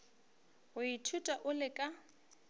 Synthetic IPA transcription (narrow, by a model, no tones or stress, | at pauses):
ɣʊitʰutʼaʔʊlɪkʼa